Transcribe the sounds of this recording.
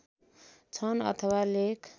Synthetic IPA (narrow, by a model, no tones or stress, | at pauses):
t͡sʰʌnʌ̰t̪ʰʌwalekʰ